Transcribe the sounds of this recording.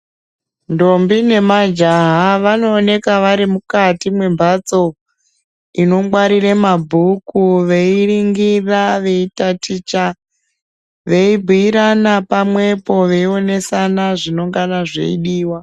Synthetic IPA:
ndo̞mbine̞mad͡ʒaɦaʋano̞ːne̞kaʋaɾimukatimwe̞mbʱat͡so̞ | ino̞mwaɾiɾemabʱukuʋe̞iriŋɡiraʋe̞itatit͡ʃa | ʋe̞ibʱuiɾanapamwe̞po̞ʋe̞io̞ne̞sanaʐino̞ŋɡanaʐe̞̰ḭɗiːwa

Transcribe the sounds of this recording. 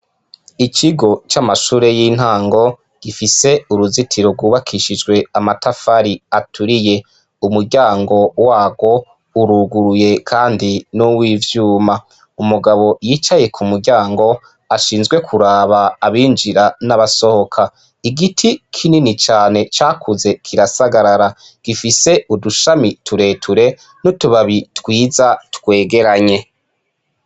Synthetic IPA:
it͡ʃiɡo̞t͡ʃamaʃuːɾe̞jiːn̥haːŋɡo̞ | ɡ̥ifise̞uɾuzitʰiɾo̞ɡwuːβakʰiʃid͡ʒɡwe̞amatafaɾiatʰuɾije̞ | umuɾɟaːŋɡo̞waːɡo̞ | uɾuɡuɾuje̞kʰaːndinuwiːvjuːma | umuɡaβo̞jiːt͡ʃaje̞kʰumuɾɟaːŋɡo̞ | aʃiːnzɡwe̞kʰuɾaβaːβiːnd͡ʒiɾanaβaso̞ho̞kʰa | iɡitʰikʰininit͡ʃaːne̞t͡ʃaːkʰuze̞kʰiɾasaɡaɾaɾa | ɡ̥ifise̞uduʃamitʰuɾe̞ːtʰuɾe̞ | nutuβaβitwiːzatkwe̞ːɡe̞ɾaɲe̞

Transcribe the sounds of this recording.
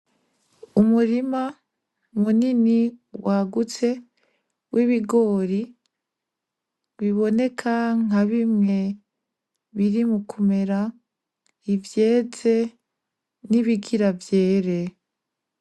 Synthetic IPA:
umuɾima | muniniwaɡut͡se̞ | wʔiβiɡo̞ːɾi | βiβo̞ne̞kʰaŋ̥aβimŋe̞ | βiɾimukʰume̞ɾa | ivje̞ːze̞ | niβiɡiɾavje̞ːɾe

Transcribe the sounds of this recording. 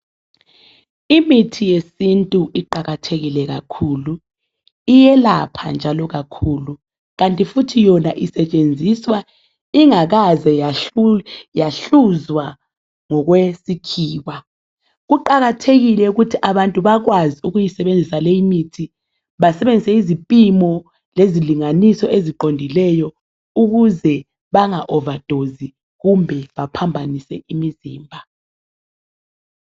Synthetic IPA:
imitʰijesintʼuʔiǃaɣatʰeɣilɛɣakʰuːlu | ijɛla̰pʰa̰nd͡ʒʱalɔɣakʰuːlu | ɣantʼifutʰijɔnaʔisɛt͡ʃʼend͡zʱiswa | iŋaɣazɛ | jaɬuzwa | ŋɔɣwesikʰiːwa | ɣuǃaɣatʰeɣilɛuɣutʰiʔaβantʼuβaɣwaziuɣujisɛβend͡zʱisalejimitʰi | βasɛβend͡zʱisɛizipʼimɔ | leziliŋanisɔeziǃondʱilɛjɔ | uɣuzɛ | βaŋaʔɔvad̥ʱozi | ɣumbʱɛβapʰambʱanisɛimiziːmbʱa

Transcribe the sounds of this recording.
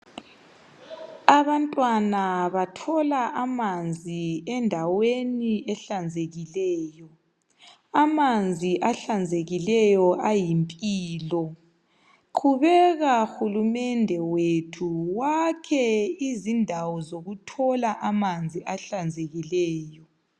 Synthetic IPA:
aβantʼwanaβatʰɔlaʔamand͡zʱiɛndʱaweniɛɬand͡zʱeɣilɛːjɔ | amand͡zʱiʔaɬand͡zʱeɣilɛjɔʔajimpʼiːlɔ | kʰuβɛɣaxulumɛndʱɛwetʰuwakʰɛizindʱawɔzoɣutʰɔlaʔamand͡zʱiʔaɬand͡zʱeɣilɛːjɔ

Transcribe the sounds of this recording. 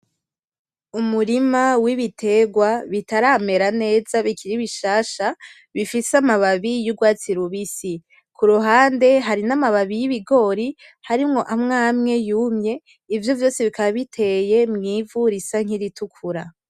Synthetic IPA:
umuɾimawiβitʰe̞ɡwaβitaɾaːme̞ɾane̞ːz̥aβikʰiɾiβiʃaːʃa | βifisamaβaβijuɡwaːt͡siɾuβisi | kuɾuɦaːnde̞ɦaɾinamaβaβijiβiɡo̞ːɾi | haɾimŋo̞ʔamŋaːmŋe̞jumɲe̞ | ivjo̞vjo̞ːsiβikaβaβitʰe̞je̞mŋiːvuɾisaŋ̥iɾitukʰuɾa

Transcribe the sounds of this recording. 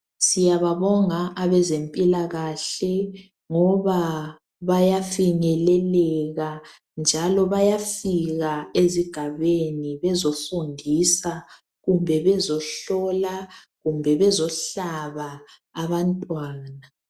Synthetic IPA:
sijaβaβɔŋaʔaβɛzempʼilaɣaɬɛ | ŋɔβa | βajafiŋɛlɛlɛɣa | nd͡ʒʱalɔβajafiɣaeziɡ̥ʱaβeniβɛzofundʱisa | ɣumbʱɛβɛzɔɬɔla | ɣumbʱɛβɛzɔɬaβaː | βantʼwaːna

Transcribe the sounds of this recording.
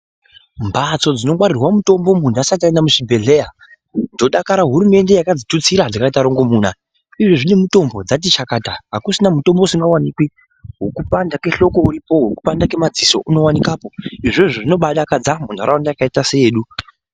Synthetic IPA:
mbat͡so̞d͡zino̞kwaɾirwamuto̞mbo̞mundasat̬iendamuʂibʱe̞ɮe̞ja | ndo̞ɗakaɾaɦuɾume̞nde̞jakad͡zitut͡siɾad͡zakaitaɾo̞ŋɡo̞muːna | iʐoʐine̞muto̞mbo̞d͡zat̬it͡ʃakaːtaɦakusinamuto̞mbo̞usiŋɡawanikwi | ɦokupandake̞ɬo̞ko̞uɾipo̞ɦoku̥pandake̞mad͡ziso̞ʔuno̞wanikaːpo̞iʐeʐoʐino̞ɓaɗakad͡zamunaɾawandajakaitasejeːɗu

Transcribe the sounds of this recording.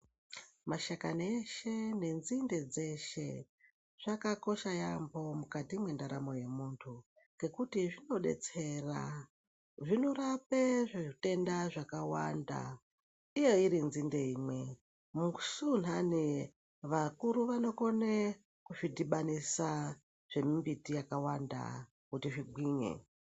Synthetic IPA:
maʃakaneʃe̞ne̞nzinde̞d͡ze̞ʃe̞̰ | ʐ̥akako̞ʃajambo̞mukatimwe̞ndaɾamo̞je̞muːntʰu | ŋɡe̞kutiʐino̞ɗe̞̰t͡se̞ra̰ | ʐinorapeʐeʐite̞ndaʐakawa̰nda̰ | ije̞iɾinzinde̞imwe̞ | muku̥sun̤ani | ʋakuɾuʋano̞ko̞ne | kuʐidiɓanisa | ʐ̥e̞mimbitijakawanda̰ | kutiʐibwiːɲḛ

